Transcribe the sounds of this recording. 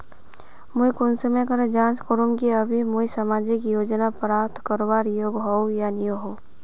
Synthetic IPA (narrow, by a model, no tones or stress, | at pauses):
mʊikʊnsmẽkəɾed͡ʒãːnskoɾumkiəbʱimʊisəmaːd͡ʒɪkjoːd͡ʒnapɾaːt̪ʰkəɾobaːɾjoːɡɦowjanijoɦo